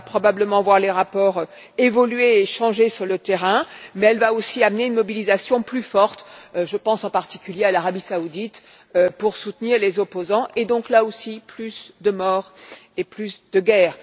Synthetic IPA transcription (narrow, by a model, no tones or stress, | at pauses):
pχɔbabləmɑ̃vwaʁleʁapɔʁø | evɔlɥeːʃɑ̃ʒesyʁlət̪eʁɛ̃mɛɛlvaosiamneynmɔbilizasjɔ̃plyfɔʁt̪øʒəpɑ̃sɑ̃paʁt̪i̥kʲyljealaʁabisaud̪it̪ | øpuʁsut̪niʁlezɔpozɑ̃ʔed̪ɔ̃klaosiplysd̪əmɔːʁeplysd̪əɡɛːʁ